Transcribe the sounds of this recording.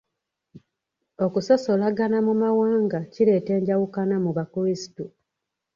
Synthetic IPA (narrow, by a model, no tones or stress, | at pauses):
o̞kuso̞so̞laɡanamumawaːŋɡaciɾe̞ːte̞ːɲɟawukanamuβakuɾisi̥tu